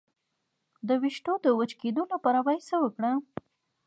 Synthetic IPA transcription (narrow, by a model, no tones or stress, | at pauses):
d̪əwiʃʈod̪əwət͡ʃked̪olapɑɾawajsəwəkɽa